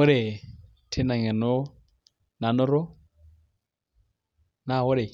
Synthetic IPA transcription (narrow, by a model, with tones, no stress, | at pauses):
ʊ˦ɾɪ˨ | tʰɪ˦na˨ŋɛ˨nʊ˦ | na˨nʊ˦ɾʊ˦ | na˦ɣʊ˦ɾɪ˨